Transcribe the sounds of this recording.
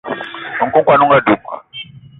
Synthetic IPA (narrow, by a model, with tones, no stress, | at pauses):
nɔ˨ŋ̩˨kɔ˦ŋkwa˨nu˦ŋɡa˦du˨pa̰˨